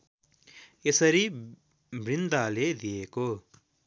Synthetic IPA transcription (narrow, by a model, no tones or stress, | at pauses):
esɐɾi | bɾind̪aːleːd̪ijeko